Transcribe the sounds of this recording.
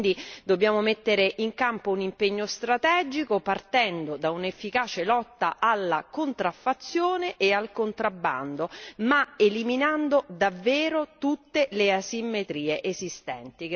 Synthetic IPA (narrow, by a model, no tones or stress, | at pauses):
nd̪id̪obːjaːmomet̪ːeɾeʔiŋkampounimpeɲːost̪ɾat̪ɛːd͡ʒikopart̪ɛnd̪od̪aunefːikaːt͡ʃelɔt̪ːaʔalːakont̪ɾafːat̪sːjoːneʔealkont̪ɾabːa̰nd̪omaeliminand̪od̪avːeːɾot̪ut̪ːeleasimːet̪ɾiːeʔezist̪ɛnt̪i